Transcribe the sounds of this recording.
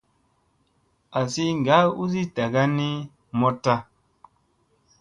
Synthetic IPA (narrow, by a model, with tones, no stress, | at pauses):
a˨si˦ŋ˨ɡa˨˦u˦zi˦ta˨ɡa˦ni˦ | mɔ˦ta˦